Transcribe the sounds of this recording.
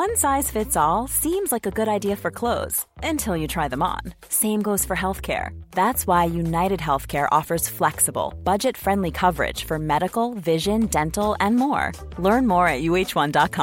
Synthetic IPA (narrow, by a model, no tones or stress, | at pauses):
wʌ̃nsaɪz̥fɪtsɔlˠsĩmzlaɪkɨɡʊɾaɪdiɨfə˞kʰl̥oʊz̥ | ɨ̃ntʰɪlˠjɨtʰɹ̥aɪðə̃mə̰̃n | sẽɪ̃mɡoʊz̥fə˞ɦɛlˠθkʰɛ̰ɹðætswaɪjʉnaɪɾɨd̚ɦɛlˠθkʰɛɹʔɔ̰fə˞z̥flɛksəbl̩ˠb̥ʌd͡ʒɨtfɹɛ̃ndˡlikʰʌvə˞ɪ̰d̥ʒ̥fə˞mɛɾɨkl̩ˠvɪʒɨ̃ndɛ̃ntl̩ˠɨ̃nmɔ̰ɹ | lɜ̃˞nmɔɹɨt̚jʉeɪt͡ʃwʌ̃ndɑt̚kʰɑ̃